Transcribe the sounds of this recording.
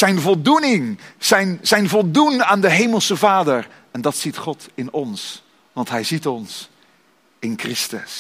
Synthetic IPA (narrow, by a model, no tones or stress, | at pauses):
zɛjnvɔlˠdunɪŋz̥ɛjnz̥ɛjnvɔlˠdunaːndəɦejməlˠsəvaːdəɹ | ɛndɑtsitχɔtɪnɔns | ʋɑntɦɛjzitɔns | ɪnkrɪstə̰s